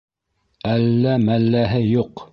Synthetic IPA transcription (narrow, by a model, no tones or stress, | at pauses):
ælːæmælːæɦɘjuq